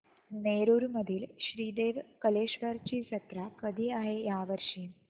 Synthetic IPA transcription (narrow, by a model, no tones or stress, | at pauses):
neɾuːɾməd̪ʱiːlɕɾiːd̪eʋkəleɕʋəɾt͡ɕiːsət̪ɾakəd̪ʱiːaɦejaʋəɾʂiːn